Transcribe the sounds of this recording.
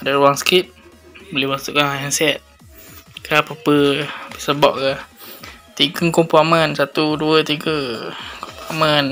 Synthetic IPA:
daɾuwaŋskip̪̚ | bolɪhmasuʔkanɦajansɛt̪̚ | kapapəpəsəbɔ̰ʔ̚ka | t̪iɡəŋkɔmpɔmənsat̪uduət̪iɡəkɔmpɔʔmən

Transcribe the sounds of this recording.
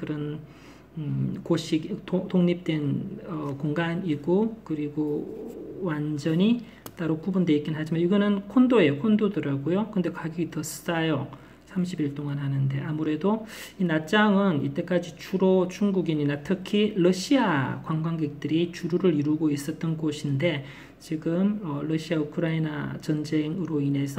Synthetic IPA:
kɯɾʌn | koɕʰiɡotoŋɲip̚t͈we̞nʌkoŋɡaniɡokɯɾiɡo | wand͡ʑʌɲi | t͈aɾokubundeik͈inɦad͡ʑimaiɡʌnɯnkʰondojekʰondodɯɾaɡojokɯnde̞kwaɡiɡitʌsʰɯ̥s͈ajo | sʰamɕʰibiɭt͈oŋanɦanɯnde̞amuɾe̞doinat͡ɕ͈aŋɯnḭt͈e̞k͈ad͡ʑit͡ɕʰuɾot͡ɕuŋɡuɡiɲinatʰɯkʰiɾʌɕʰiakwaŋɡwaŋɡe̞k̚t͈ɯɾit͡ɕuɾuɾɯɾiɾuɡois͈ʌt̚t͈ʌnɡoɕʰinde̞ | t͡ɕiɡɯmʌɾʌɕʰiaukʰɯɾaina̰t͡ɕʌnd͡ʑe̞ŋɯɾoine̞sʰʌ

